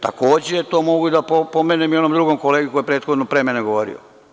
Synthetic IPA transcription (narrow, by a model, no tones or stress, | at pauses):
t̪ako̞ːd͡ʑeet̪o̞ːmo̞ɡuid̪apopomenemio̞nomd̪ɾuɡomkoleɡikojepɾeːt̪xod̪nopɾemeneɡo̞ʋoɾḭo̰